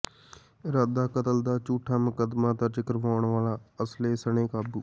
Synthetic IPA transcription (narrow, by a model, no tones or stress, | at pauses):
ɾad̪aːkət̪əld̪aːt͡ʃuːʈʰaːməkəd̪maːt̪ət͡ʃɪkəɾʋaːɳʋaːlaːəsleːsəɳ̃eːkaːbuː